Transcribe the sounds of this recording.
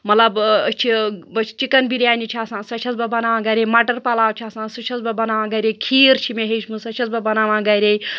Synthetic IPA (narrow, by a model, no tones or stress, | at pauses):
mɐlɐbt͡ʃʰibɐ̥t͡ʃikɐnbiɾjaːnit͡ʃʰaːsãːsɐt͡ʃʰɐsbɐbɐnaːʋãːɡɐɾʲemɐʈɐɾpɐlaːwt͡ʃʰaːsãːsut͡ʃʰɐsbɐbɐnaːʋãːɡɐɾʲekʰiːɾt͡ʃʰimeɦet͡ʃʰmusɐt͡ʃʰɐsbɐbɐnaːʋãːɡɐɾʲej